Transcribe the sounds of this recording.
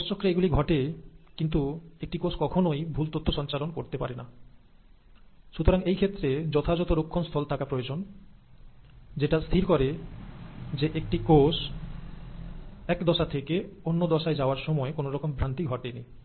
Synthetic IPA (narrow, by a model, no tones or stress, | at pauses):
pɔst͡ɕokːɾeeɡuliɡʱɔʈekint̪uek̚ʈikoskɔkʰonojbʱult̪ot̪ʰːoʃɔnt͡ɕalonkoɾt̪epaɾena | ʃut̪oɾaŋejkʰet̪ːɾed͡ʑɔt̪ʰad͡ʑɔt̪oɾokʰːonst̪ʰɔlt̪ʰakapɾojed͡ʑon | d͡ʑeʈast̪ʰiɾkɔɾe | d͡ʑeʔek̚ʈikos | ɛkd̪ɔʃat̪ʰekeonːod̪ɔʃaed͡ʑaoaɾʃɔmɔekonoɾɔkombɾant̪iɡʱɔʈenij